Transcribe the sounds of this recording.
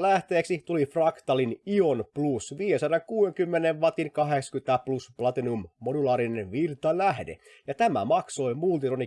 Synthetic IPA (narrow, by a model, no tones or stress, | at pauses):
læht̪eːksit̪ulifrɑkt̪ɑlinionplusʋiːjesɑɾɑkuːweŋkymːeneʋʋɑt̪inkɑɦeksɑ̥kyt̪æplusplɑt̪inummodulɑːɾinenʋirt̪ɑlæhdḛ | jɑt̪æmæ̰mɑkso̞imult̪it̪oni